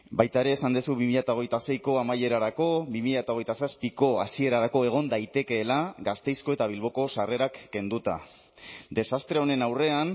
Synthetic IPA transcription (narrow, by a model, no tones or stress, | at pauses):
bajt̪ae̞ɾe̞ːsand̪esuβimiʎat̪ao̞ɣ̞e̞jt̪ase̞jko̞amaje̞ɾaɾako̞βimiʎaet̪aoɣjt̪asaspiko̞asie̞ɾaɾako̞e̞ɣ̞o̞nd̪ajt̪e̞ke̞ːlaɡast̪e̞jsko̞e̞t̪aβ̞ilβ̞o̞ko̞sare̞ɾakːe̞nd̪ut̪a̰ | d̪e̞sast̪ɾeo̞ne̞nawre̞an